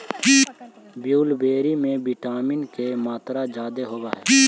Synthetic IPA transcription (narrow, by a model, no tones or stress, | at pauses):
bjuːlbeːɾimẽbɪʈaːmɪnkemaːt̪ɾad͡ʒaːd̪eɦoːbaɦɛː